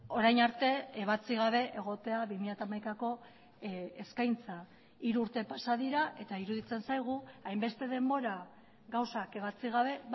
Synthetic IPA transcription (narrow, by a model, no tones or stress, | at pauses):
o̞ɾajnaɾt̪e̞eβ̞at͡siɣaβ̞e̞ʔeɣ̞o̞t̪e̞aβimiʎat̪amajkako̞ | eskajnt͡sa | iɾuuɾt̪e̞pasaðiɾaʔe̞t̪aiɾuðit͡se̞nsajɣ̞uajmbe̞st̪e̞ðe̞mbo̞ɾa | ɣawsake̞βat͡siɣ̞aβe̞